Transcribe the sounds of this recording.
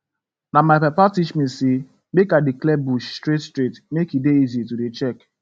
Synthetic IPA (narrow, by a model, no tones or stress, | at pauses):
namaɪpɛpatiʃmisi | bekadɪklɛbuʃstɾetstɾitmekideizitudet͡ʃɛk